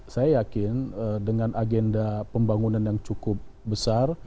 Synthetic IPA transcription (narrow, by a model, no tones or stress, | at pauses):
sajajakɪnədəŋanaɡɛndapəmbaŋunanjaŋt͡ʃukʊp̚bəsar